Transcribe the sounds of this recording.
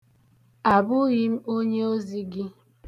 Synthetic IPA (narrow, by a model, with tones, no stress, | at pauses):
a˨bʊ˦ɣi˦m̩˦o˦ɲe˦o˦zi˦ɡɪ˦